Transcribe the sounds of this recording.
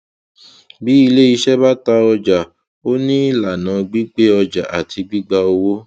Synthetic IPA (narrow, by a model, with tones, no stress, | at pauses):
bi˨˦i˧le˦i˧˦ʃɛ˦ba˦ta˧ɔ˧d͡ʒa˨ | o˦nĩ˦la˨nã˨ɡ͡bi˦k͡pe˦ɔ˧d͡ʒa˨ʔa̰˨tʰi˧ɡ͡bi˦ɡ͡ba˧o˧wo˦